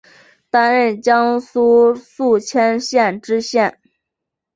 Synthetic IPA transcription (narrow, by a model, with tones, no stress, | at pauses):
t̪a˥nɻə˥˩nt͡ɕjɑ˥ŋsu˥su˥˩t͡ɕʰjɛ˥nɕjɛ˥˩nʈ͡ʂɻ̩˥ɕjɛ˥˩n